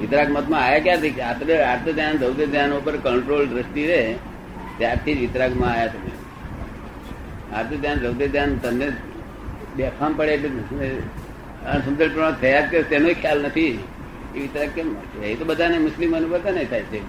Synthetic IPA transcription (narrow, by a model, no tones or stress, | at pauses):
ʋɪt̪ɾaɡmət̪mãajakjaɾt̪ʰikat̪ɾəaɾt̪ət̪jãd̪əʋd̪ed̪ʱjanupəɾkəɳʈɾolɾəst̪iɾe | t̪jaɾt̪ʰid͡ʒʋɪt̪ɾaɡmãajat̪əmḛ | a̰ɾt̪ət̪janɾəʋd̪ed̪ʱjant̪əmne | d̪ɛpʰampəɽeːʈlene | ənsəmd͡ʒəlpɾəãt̪ʰəjad̪̚kat̪enoekʰjalnət̪ʰi | eʋɪt̪ɾaɡ̚kem | əɦit̪obəd̪ʱanemʊslimənibəd̪ʱanəɦĩt̪ʰajt͡ʃʰe